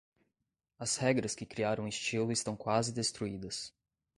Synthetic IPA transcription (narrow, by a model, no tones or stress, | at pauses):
ɐshɛɡɾɐskɪkɾiaɾɐ̃w̃ɪst͡ʃilʊɪst̪ɐ̃w̃kwazɪd̪est̪ɾuid̪ɐs